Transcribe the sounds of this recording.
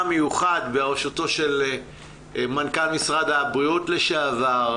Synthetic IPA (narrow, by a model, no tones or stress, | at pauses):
mejuχad̪beaʁʃoto̞ʃel | mankalmisʁad̪abʁiotleʃeavaʁ